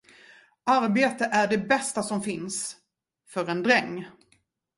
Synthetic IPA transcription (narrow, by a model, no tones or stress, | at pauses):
ʔaɾbeːt̪əʔæɖɛbɛst̪asɔmfɪns | fœɾɛnd̪ɾɛŋː